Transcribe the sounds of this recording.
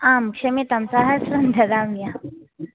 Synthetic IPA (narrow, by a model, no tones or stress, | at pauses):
aːmkʂɐmit̪ɐmsaɦɐɾsɾɐnd̪ʱɐd̪amja